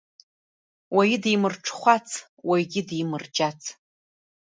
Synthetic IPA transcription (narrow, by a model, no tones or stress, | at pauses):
wajidijmɨrʈ͡ʂʰχʷat͡sʰ | wajɡʲɪdijmɨrd͡ʒat͡sʰ